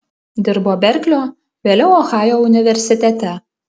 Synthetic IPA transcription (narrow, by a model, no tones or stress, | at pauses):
d̪ʲɪɾboːbʲɛɾʲklʲoː | ʋʲeːlʲɛʊoːxɑːjoːʊnʲɪʋʲɛɾʲsʲɪt̪ʲɛt̪ʲɛ